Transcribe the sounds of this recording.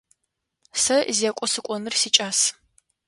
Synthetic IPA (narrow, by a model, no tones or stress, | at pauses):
sɐzakʷʼɔsɨkʷʼɔnɨrsiːt͡ʃʼaːs